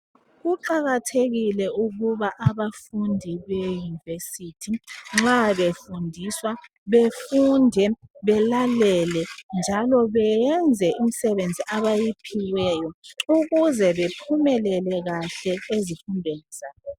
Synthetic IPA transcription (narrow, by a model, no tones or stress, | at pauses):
ɣuǃaɣatʰeɣilɛuɣuβaʔaβafundʱiβejunivesitʰiŋ͡ǁaβefundʱiswa | βefundʱɛβɛlalɛlɛnd͡ʒʱalɔβɛjɛnd͡zʱɛʔim̩sɛβend͡zʱiʔaβajipʰiwɛːjɔuɣuzɛβepʰumɛlɛlɛɣaɬɛezifunbʱeniz̥aːβɔ